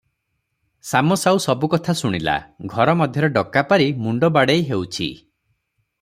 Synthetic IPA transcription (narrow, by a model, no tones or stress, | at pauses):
samɔsawsɔbukɔt̪ʰasuɽ̃ila̰ɡʱɔɾɔmɔd̪ʱjɔɾɔɖɔkːapaɾimuɳɖɔbaɽejɦewt͡ʃʰḭ